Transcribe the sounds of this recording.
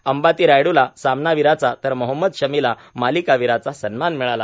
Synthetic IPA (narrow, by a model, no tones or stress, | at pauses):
əmbat̪iːɾajɽulasamnaʋiɾat͡sat̪əɾməɦəmːəd̪ɕəmila | malikaʋiɾat͡sasənmanmiɭala